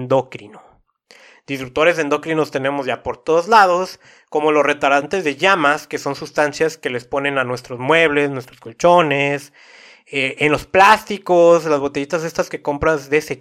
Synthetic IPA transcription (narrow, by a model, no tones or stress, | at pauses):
nd̪o̞kɾino | d̪̥ist̪ɾuk̚t̪o̞ɾe̞se̞nd̪o̞kɾino̞st̪e̞ne̞mo̞zʝapo̞ɾt̪o̞ðozlað̞o̞s | ko̞mo̞losre̞t̪awɾant̪e̞zðe̞ʝamaske̞so̞nsust̪ansjaske̞le̞spo̞nẽ̞nanwe̞st̪ɾo̞zmwe̞β̞le̞snwest̪ɾo̞sko̞lt͡ʃo̞nes | eʔenlo̞splast̪ikoslazβo̞t̪eʝit̪aze̞st̪aske̞ko̞mpɾazðe̞se